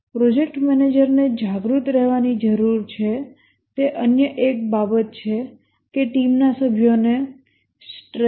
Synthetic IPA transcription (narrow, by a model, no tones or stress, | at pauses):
pɾod͡ʒek̚ʈmɛned͡ʒəɾned͡ʒaɡɾut̪ɾɛɦʋanid͡ʒəɾuɾt͡ʃʰe | t̪eʔənjəʔek̚babət̪̚t͡ʃʰe | keʈimnasəbʱjone | sʈɾ